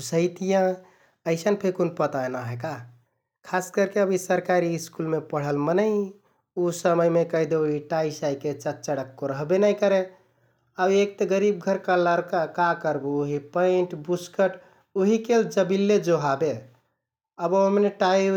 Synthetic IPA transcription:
səjt̪ijã | əɪsənpʰekonpət̪aenaɦeka | kʰaskəɾkeəbʱisəɾkaɾiːskulmepəɽ̤əlmənəj | usəməjmekəɦd̪eoɦiʈaisajket͡ʃət̪̚t͡ʃəɽəkːoɾəɦbenajkəɾe | abek̚t̪eɡəɾib̚ɡʱəɾkaləɾkakakəɾbuːɦipə̃ɪʈbuskəʈ | oɦikeld͡ʒəbilːed͡ʒoɦabe | əboɦəmneʈai

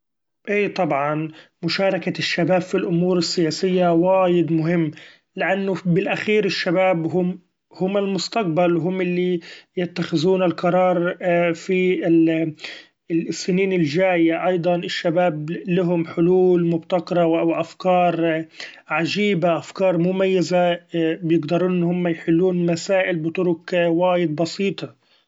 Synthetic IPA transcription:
ʔeːt̪ˤɑbʕɑnmʊʃɑːɾˤɑkaʃːabaːbfilʔʊmuːɾɪsːɪjaːsɪjːawaːjɪd̪mʊɦɪmː | lɪʔanːʊbɪlʔaxiːɾɪʃːabaːbɦʊm | hʊmːɪlmʊst̪aq̚balwɦʊmʔɪlːijɪt̪ːaxɪzuːnalqɑɾˤɑːɾˤfi | sːɪniːnɪlʒaːjaʔɑjd̪ˤɑnɪʃːabaːblɪɦʊmħʊluːlmʊbt̪aqɑɾˤɑwʔwʔafkɑːɾˤ | ʕaʒiːbaʔafkɑːɾˤmʊmajːɪzabjɪɡd̪ɑɾˤuːnːhʊmːajħɪlːuːnmasaːʔɪlbɪt̪ʊɾʊkwaːjɪd̪̚bɑsiːt̪ˤɑ

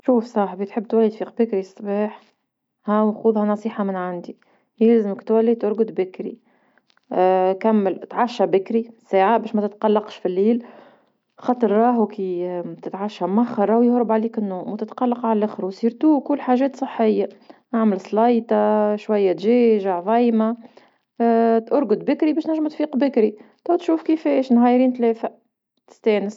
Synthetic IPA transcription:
ʃuːfsˤɑːħbit̪ħəbːt̪wælːit̪fiːqbɪkɾisˤːbɑːħ | hɛːwxuːðˤhɑnɑsˤiːħɑmɪnʕand̪i | læːzəmkt̪wælːit̪ʊɾɡʊd̪bɪkɾḭ | kæmːəlt̪ʕaʃːæbɪkɾisaːʕabɛːʃmɛt̪ɪt̪qɑlːɑqʃfilːiːl | xɑt̪ˤəɾːˤɑːɦukit̪ɪt̪ʕaʃːammaxːɑɾˤɑwjʊhɾəbʕaliːkɪnːuːmwt̪ɪt̪qɑlːɑqʕallʔæxɾwsˤiːɾt̪uːkʊlːħaːʒɛːt̪sˤəħːɪjːaʔaʕməlsˤlɑjt̪ɑʃwajːæt̪ʒɛːʒaʕvɑjma | t̪ʔʊɾɡʊd̪bɪkɾibɛːʃnæʒːəmt̪fiːqbɪkɾit̪æwt̪ʃuːfkifɛːʃnɣæjɾiːnt̪lɛːfa | t̪ɪ̥st̪ɛːnəs

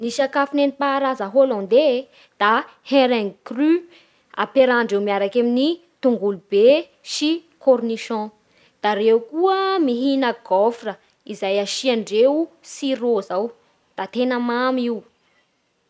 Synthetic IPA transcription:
niʃakafinenipaːɾazəɦolɔ̃nd̪e | d̪̥a | hẽɾɛŋkry | a̰peɾaɳɖ͡ʐiwmiaɾakamini | t̪uŋɡulub̥e | ʃi | korniʃɔ̃ | d̪̥aɾewkuəmiɦinəɡɔfrə | izajaʃiaɳɖ͡ʐewsiɾozaw | d̪̥at̪enəmamiw

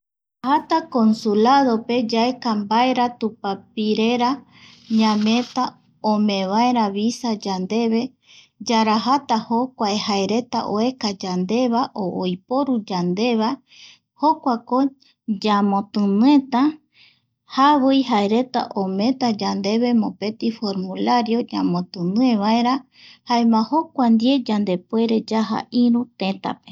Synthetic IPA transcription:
hat̪ako̞nsulaðo̞pe̞d͡ʒaekambaeɾat̪upapiɾe̞ɾa | ɲãmẽ̞t̪a | õmẽ̞βaeɾaβisad͡ʒand̪e̞βe̞ | d͡ʒaɾaɦat̪ahokʷaehaeɾe̞t̪a̰ʔoekad͡ʒand̪e̞βaʔoʔojpoɾud͡ʒand̪e̞βa | ho̞kʷako | d͡ʒamõ̞t̪ɨ̃nɨẽ̞t̪ã | haβojɦaeɾe̞t̪a̰ʔomẽ̞t̪ad͡ʒand̪e̞βe̞mõ̞pe̞t̪ifo̞ɾmũlaɾjo̞d͡ʒa̰mõt̪ɨnɨ̃ẽβaeɾa | haemãho̞kʷand̪je̞d͡ʒand̪e̞pwe̞ɾe̞d͡ʒaɦa̰ʔĩɾũt̪ẽ̞t̪a̰pe

